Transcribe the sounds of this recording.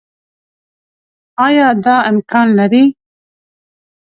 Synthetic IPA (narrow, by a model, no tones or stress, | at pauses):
ɑːjɑːd̪ɑːɛmkʰɑːnnɛɾiː